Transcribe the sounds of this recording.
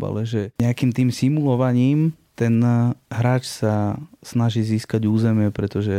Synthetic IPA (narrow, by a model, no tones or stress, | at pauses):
ba̰lɛʒɛɲɛakiːmt̪iːmsimulɔʋaɲiːmt̪ɛnɦɾaːt͡ʃsasnaʒiːziːskaɟuːzɛmɪɛpɾɛt̪ɔʒɛ